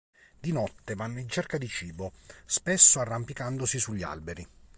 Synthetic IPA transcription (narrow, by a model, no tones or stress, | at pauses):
d̪inɔt̪ːevanːoint͡ʃerkad̪it͡ʃiːbospesːoarːampikand̪osisuʎːia̰lbeɾi